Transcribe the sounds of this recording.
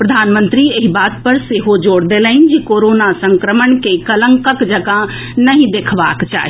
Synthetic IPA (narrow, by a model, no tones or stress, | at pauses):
pɾəd̪ʱaːnmənt̪ɾieɦibaːt̪̚pəɾseɦod͡ʒoːɽd̪eləɪnd͡ʒekoɾonasə̃ŋkɾəmənkekələŋkəkd͡ʒəɡa | nəɦĩd̪ekʰba̰ːkt͡ʃa̰ːɦi